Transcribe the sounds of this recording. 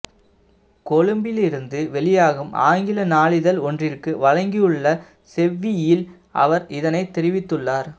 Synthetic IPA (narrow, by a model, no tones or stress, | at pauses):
kɔɻɯmbɪlɪɾɯnd̪ɯʋɛɭɪjaːɣɯmʔa̰ːŋɡɪlɐnaːɭɪðɐlɔndrɪrkɯʋɐɻɐŋɡɪjɯɭːɐ | sɛʋːɪjɪl | ʔɐ̰ʋɐɾɪðɐnɐɪt̪ːɛɾɪʋɪt̪ːɯɭːaːɾ